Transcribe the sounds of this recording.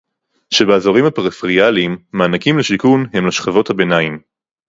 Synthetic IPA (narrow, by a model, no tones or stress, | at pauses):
ʃebeazoʁimhapeʁfʁialimːaːnakimleʃikunhe̞mlaʃχavo̞thabe̞naim